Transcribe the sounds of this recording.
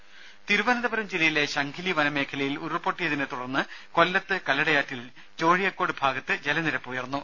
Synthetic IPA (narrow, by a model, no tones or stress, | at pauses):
t̪iɾubɐnɐðɐbɐɾɐmd͡ʑilɐjile̞ɕɐŋɡʰiliʋɐnɐme̞ːkʰɐlɐjilurpːo̞ʈːijɐðinet̪uɽɐrnːɨko̞lːɐt̪ːɨkɐlːɐɽɐjaːtːil | t͡ɕo̞ːɻijɐkːo̞ːɽɨbʱaːɡɐt̪ːɨd͡ʑe̞lɐniɾɐpːuujɐrnːu